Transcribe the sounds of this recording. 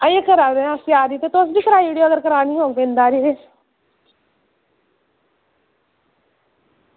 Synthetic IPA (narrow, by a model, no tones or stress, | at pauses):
ãẽkəɾaːd̪eãːsjaːɾiːt̪eːt̪ʊsb̪iːkəɾaːiiːɖioːɡəɾkəɾaːnĩːɦoːpẽːnd̪aːɾiː